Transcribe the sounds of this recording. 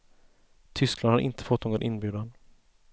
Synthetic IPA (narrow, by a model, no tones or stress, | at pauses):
t̪ʰʏsklanhaɾʔɪ̰nt̪ə̥fɔt̪ːnoːɡɔnʔɪnbjʉ̟ːd̪and̪ə